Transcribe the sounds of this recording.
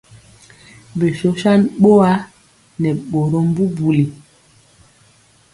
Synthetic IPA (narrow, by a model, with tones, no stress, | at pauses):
be˨ʃo˦ʃa˦nɓo˦a˦ | nɛ˨ɓo˨ɾo˦m˦bu˦bu˨li˨